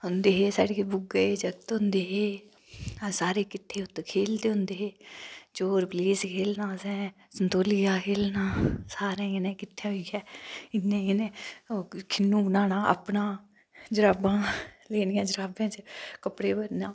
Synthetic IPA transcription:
ɦʊnd̪eːɦeːsa̰ːɽeːbʊɡəed͡ʒəɡt̪ɦʊ̃nd̪eːɦeː | saːɾeːkɪt̪ʰːeːʊt̪kʰeːld̪eːɦʊ̃nd̪eːɦeːt͡ʃoːɾpliːskʰeːlnãːsɛ̃ː | sənt̪oːlɪjaːkʰeːlnaːsaːɾẽːneːkɪt̪ʰːaːɦoikɛːɪnːẽːenẽː | kʰɪnːũːbənaːnãːʔə̰pnãː | d͡ʒəɾaːbãːleːɽjãːd͡ʒəɾaːbãːt͡ʃkəpɽeːbəɾnãː

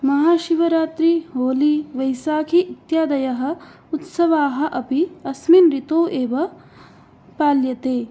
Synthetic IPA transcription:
mɐɦaːʃiʋɐɾaːt̪ɾiɦoːliʋɐjsaːkʰiːt̪jaːd̪ɐjɐɦɐ̆ | ut̪sɐʋaːɦɐ̆ʔɐpiɐsminɾit̪oːʔeːʋɐ | paːljɐt̪eː

